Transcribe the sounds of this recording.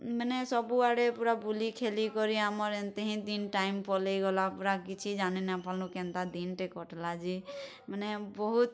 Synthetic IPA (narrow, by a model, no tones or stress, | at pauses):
mɛnɛsɔbuaɽepuɾabulikʰelikɔɾiamɔɾẽnt̪eɦĩd̪inʈaimpɔlejɡɔlapuɾakit͡ʃʰid͡ʒaninapʰɔlnũkẽnt̪ad̪inʈekɔʈlad͡ʒi | mɛnɛbɔɦut̪̚